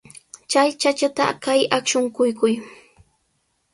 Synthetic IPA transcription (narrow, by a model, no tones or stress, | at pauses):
t͡ʃajt͡ʃat͡ʃat̪a̰kajakʃʊŋkʊjkʊj